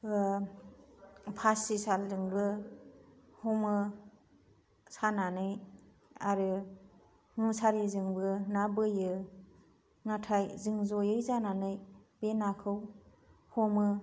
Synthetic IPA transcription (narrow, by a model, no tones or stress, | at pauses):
pʰasisalzɯŋbɯ | hɔmɯ | sananɯj | aɾɯ | ŋusaɾizɯŋbɯnabɯjɯ | ŋatʰajzɯŋzɔjɯjzananɯjb̥enakʰɯw | hɔmɯ